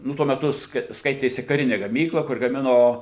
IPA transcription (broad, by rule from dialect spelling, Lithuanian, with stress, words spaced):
ˈnʊ tuɔ mʲɛˈtʊ ˈskɐɪ ˈskɐɪtʲeːsʲɪ kɐˈrʲɪnʲɪ ɡɐˈmʲiːklˠɐ kʊr ɡɐˈmʲɪnoː